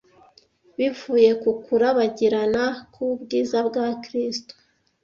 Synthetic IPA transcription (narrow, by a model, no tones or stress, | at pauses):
βivuːje̞kukuɾaβaɟiɾanakʰuubɡiːzabɡakɾisto̥